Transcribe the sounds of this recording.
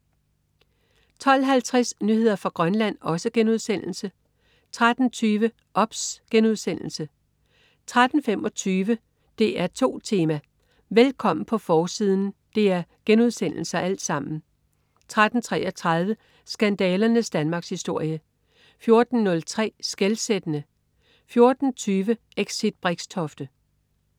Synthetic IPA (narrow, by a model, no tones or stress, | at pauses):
t͡sʰɒ̽l̰ɦælt͡sʰʁɛsnyhe̝ð̰ˠɐfʁɑ̈ɡ̥ʁɶnlæn̰ɒ̽səɡ̥enuðˠsen̰l̩sə | t͡sʰʁad̥n̩t͡sʰyːʋə | ʔɒ̽b̥sɡ̥enuð̞̰ˠsen̰l̩sə | t͡sʰʁad̥n̩femɒ̽t͡sʰyːʋə | d̥e̝ʔæɐt͡sʰo̝̰ːt͡sʰe̝ːmæ | ʋelkʰɒ̽m̰n̩pʰɒ̽fɒːsið̞ˠn̩d̥e̝æɐɡ̥enuð̞ˠsen̰l̩sɐʔæl̰d̥sɑ̈m̰n̩ | t͡sʰʁad̥n̩t͡sʰʁɛ̰ːʔɒ̽t͡sʰʁað̞ˠʋə | sɡ̥ænd̥ɛːlɐnəsd̥ænmɑ̈ːɡ̥shisd̥o̝ɐ̰jə | fjo̝ɐd̥n̩nɔ̽lt͡sʰʁɛ̰ːsɡ̥elsed̥ənə | fjo̝ɐd̥n̩t͡sʰyːʋə | eɡ̥sid̥̚b̥ʁeɡ̥stʰɒ̽fd̥ə